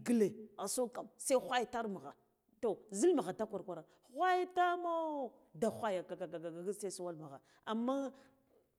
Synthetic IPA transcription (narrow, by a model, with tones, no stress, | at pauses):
ɡə˦le˨a˨so˦ka˨msa˦xʷa˦jta˦ɾma˨ɣa̰˨ | to˨zi˦lma˨ɣa˨ta˦kʷa˨ɾkʷa˨ɾa˨ | xʷa˦ja˦ta˦mo˦ | da˨xʷa˦ja˨ka˨ɡa˨ɡa˨ɡa˨ɡa˨ɡi˦sa˦su˦wa˦lma˨ɣa̰˨ | a˨mːa˦